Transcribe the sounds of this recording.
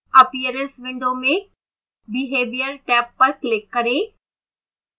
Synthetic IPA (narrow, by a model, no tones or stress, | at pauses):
ɐpijəɾənsʋɪ̃ɳɖomẽ | bɪɦeːʋijəɾʈɛːpːɐɾklɪkːɐɾẽː